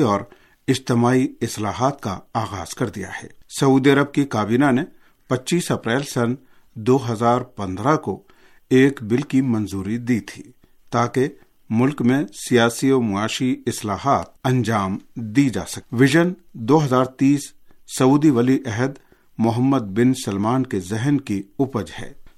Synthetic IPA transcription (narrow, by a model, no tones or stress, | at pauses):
ɔːɾ | ɪd͡ʒt̪ɪmaːiɪsla̰ːɦaːt̪ka̰aːɣaːz̥kɐɾd̪ija̰ɦɛ̰ːsɐuːd̪iɐɾəb̚kikaːbiːnane | pɐtːʃiːsɐpɾɛːlsɐn | d̪oːɦɐzaːɾpɐ̃nd̪ɾako | eːkbɪlkimɐ̃nzuːɾid̪iːt̪ʰiː | t̪aːke | mʊlkmẽsijaːsioːmʊaːʃiɪslaːɦaːt̪̚ɐ̃ɲd͡ʒaːmd̪id͡ʒa̰ːsɐkʋɪʒənd̪oːɦɐzaːɾt̪iːsːɐuːd̪iʋɐliʔɛɦəd̪ | mʊɦəmːəd̪̚bɪnsɐlmaːnkezɛɦnkiʊpəd͡ʒhɛ̰ː